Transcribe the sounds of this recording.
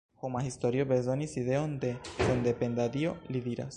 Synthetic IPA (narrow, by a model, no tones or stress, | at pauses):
xomaxist̪oɾiobe̞zo̞nisiðe̞ond̪e̞send̪e̞pe̞nd̪ad̪io̞lid̪iɾa̰s